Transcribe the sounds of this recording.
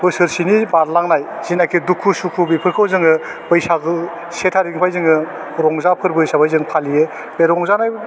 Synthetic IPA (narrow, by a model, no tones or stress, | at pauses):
bɯsɯɾsinibaɾlaŋnajzinakʰidukʰːusukʰubipʰɯɾkʰɯwzɯŋɯ | bɯjsaɡɯ | setʰaɾiŋpʰajzɯŋɯ | ɾɔŋzapʰɯɾbɯjsabajzɯŋpʰalijɯ | beɾɔŋzanaj